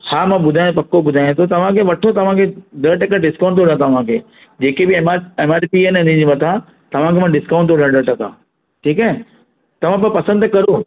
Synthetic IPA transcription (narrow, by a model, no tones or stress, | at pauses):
haːmãɓʊd̪ʱaːj̃pɐkːobʊd̪ʱaːj̃õt̪ʰot̪ɐʋ̤ãkʰeʋɐʈʰot̪ɐʋ̤ãkʰeɖəɾʈɐkãɖɪskãːɳʈt̪oːɽjãt̪ɐʋ̤ãkʰeː | d͡ʑeːkebɪmaeːmaːɾpienʊnĩd͡ʑimɐt̪ʰã | t̪ɐʋ̤ãkʰemãɖɪskãːɳʈt̪oɽə̃ɖəɾʈɐkã̰ | ʈʰiːkaɦɛ | t̪ɐʋ̤ãp̬ɐpɐsə̃nd̪kɐɾo